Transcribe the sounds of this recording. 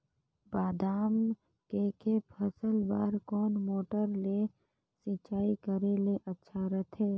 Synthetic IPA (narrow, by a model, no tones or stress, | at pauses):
baːd̪aːm | kekepʰəsəlba̰ːɾkɔːnmoːʈəɾle | sit͡ʃaːikəɾeleʔətːʃʰaɾət̪ʰeː